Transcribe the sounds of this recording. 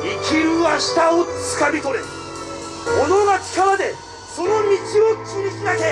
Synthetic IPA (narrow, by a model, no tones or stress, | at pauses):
ikʲiɾɯaɕi̥t̪aot͡sɨ̥kabʲit̪oɾe | monoɡakʲi̥kaɾad̪e̞ | so̞nomʲit͡ɕiot͡siɾʲisinake